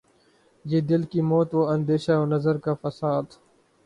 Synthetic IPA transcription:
jeːd̪ɪlkiːmɔːt̪ʋoːɐ̃nd̪eːʃaoːnɐzəɾkaːfɐsaːd̪

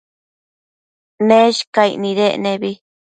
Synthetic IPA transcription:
nẽʃkaḭʔnĩðeʔnẽβi

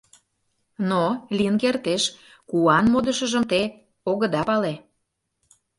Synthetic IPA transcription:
nolʲiənkert̪eʃ | kuɑnmod̪əʃə̆ʒə̆mt̪e | oɣə̆d̪ɑpɑle

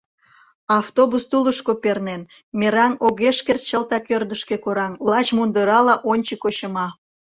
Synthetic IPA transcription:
ɑft̪obust̪uləʃkopernen | meɾɑnoɣeʃkert̪t͡ɕəlt̪ɑkørd̪əʃke̽koɾɑnllɑt͡ɕmund̪əɾɑlɑʔonʲt͡ɕəkoɕə̆mɑ

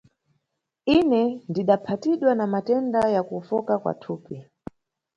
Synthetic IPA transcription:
inɛndiɗapʰatiɗwanamatɛndajakufɔkakwa̰tʰuːpi

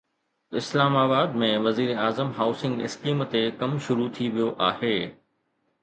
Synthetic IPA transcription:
ɪslaːmaːbaːd̪mẽʋɐziːɾeaːzəmɦaːʊsɪ̃ŋɡɪ̰skiːmt̪ekɐmʃʊɾut̪ʰiʋijoʔaːheː

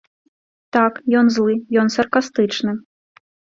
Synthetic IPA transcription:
t̪akjɔnzlˠɨjɔnsɐrkast̪ɨt͡ʂnɨ

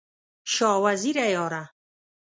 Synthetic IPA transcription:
ʃɑːwaziɾæjɔːɾa

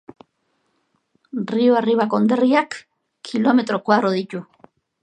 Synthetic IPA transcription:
rioariβakond̪eriak | kʰːilomet̪ɾokwaðɾoðicu

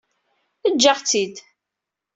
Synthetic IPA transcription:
əd͡ʒːaʁt͡sːid̪

